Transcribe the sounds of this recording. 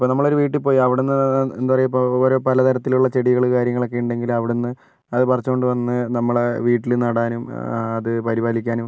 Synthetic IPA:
ipːoːnɐmːɐɭo̞ɾuʋiːʈːipoːjiɐʋiɽenːɨend̪upɐrɐjupːooːɾo̞ːpɐlɐt̪ɐɾɐt̪ːiluɭːɐt͡ɕe̞ɽiɣɐɭkaːɾjɐŋːɐɭo̞k̬ːe̞juɳɖe̞ŋɡilɐʋiɽenːɨ | ɐðɨpɐrɐt͡ɕːuko̞ɳɖɨʋɐnːɨnɐmːɐɭeʋiːʈːilnɐɽaːnumɐðɨpɐɾibaːlikʲːaːnum

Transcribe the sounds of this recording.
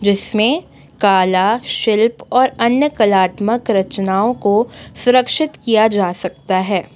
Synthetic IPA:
d͡ʒɪsmẽ | kaːlaʃɪlpɔːɾɐnjəkɐlaːt̪məkɾɐt͡ʃnaːõkosʊɾəkʃɪt̪kijad͡ʒaːsɐk̚t̪aɦɛː

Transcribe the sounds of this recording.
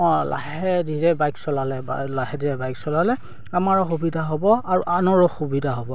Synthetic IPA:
ɔ̃la̰ɦɛdiɹɛbajksɔlalɛb̰laɦɛdiɹɛbajksɔlalɛ | amaɹɔxubidʱaɦɔbɔaɹuʔanɔɹɔxubidʱaɦɔbɔ

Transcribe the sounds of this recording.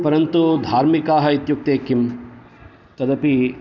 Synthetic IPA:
pɐɾɐnt̪ud̪ʱaːɾmikaːɦɐit̪juk̚t̪eːkim | t̪ɐd̪ɐpi

